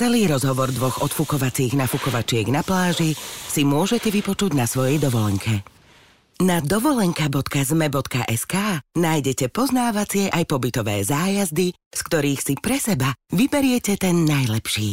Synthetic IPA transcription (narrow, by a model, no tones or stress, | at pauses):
ɛliːɾɔzɦɔʋɔɾd̪ʋɔɣɔt̪fukɔʋat͡siːɣnafukɔʋat͡ʃɪɛɡnaplaːʒisimʊɔʒɛcɛʋipɔt͡ʃuɟnasʋɔjɛjd̪ɔʋɔlɛŋkʰɛ | nad̪ɔʋɔlɛŋkabɔt̪kazmɛbɔt̪ka̰ʔɛskaːnaːjɟɛcɛpɔznaːʋat͡sɪɛʔajpɔbit̪ɔʋɛ̰ːzaːjazd̪i | skt̪ɔɾiːxsipɾɛsɛbaʋibɛɾɪɛcɛt̪ɛnːajlɛpʃiː